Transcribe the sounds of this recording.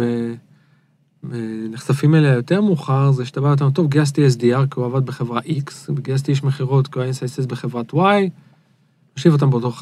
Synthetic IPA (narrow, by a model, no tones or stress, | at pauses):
e | meneχsafimeleajo̞t̪e̞ʁmuχaʁzeʃet̪abaot̪̬amt̪ovɡeas̬t̪ies̬d̪iaʁkeuavad̪̚beχe̞vʁaʔiksbeɡias̬t̪ieʃmeχiʁo̞t̪kuaensajsesbeχevʁat̪waj | oʃivot̪̬ambt̪o